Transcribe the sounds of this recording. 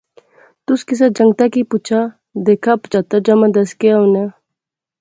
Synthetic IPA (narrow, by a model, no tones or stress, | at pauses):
t̪ʊskis̬ad͡ʒɐŋɡ̚t̪akiput͡ʃʰa | d̪ekʰapt͡ʃat̪ad͡ʒɐmãd̪ɐskeɐwne